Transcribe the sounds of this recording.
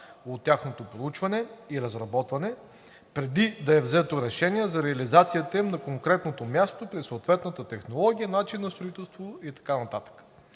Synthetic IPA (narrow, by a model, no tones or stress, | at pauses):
ot̪ʲːjaxnot̪opɾout͡ʃvɐnɛiɾɐzɾɐbɔt̪vɐnɛ | pɾɛd̪id̪ɐɛvzɛt̪oɾɛʃɛniɛzɐɾɛɐlizat̪sijət̪əimnɐkoŋkɾɛt̪not̪omʲjast̪opɾɛssoːt̪vɛt̪nət̪ət̪ɛxnolˠɔɡʲiənat͡ʃinːɐst̪ɾoit̪ɛlˠst̪vooit̪ɐ̥kanɐt̪at̪ə̥kə̥